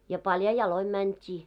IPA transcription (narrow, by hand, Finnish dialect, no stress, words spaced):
jɑ pɑljɑ jɑloi mæntʲiː